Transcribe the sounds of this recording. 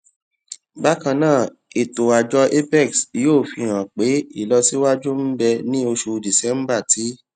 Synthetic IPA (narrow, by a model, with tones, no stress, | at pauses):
ba˦kã˧nãː˦˨ | e˨to˨a˨d͡ʒɔ˧ʔe˦bɛ˦˨ksjoː˦˨fi˧ɾ̃ã˨k͡pe˨˦i˦˨lɔ˧si˦wa˦d͡ʒu˦m̩˦bɛ˧nĩ˦o˧ʃu˧di˨sɛ˨˦m̩˦ba˦˨tʰi˨˦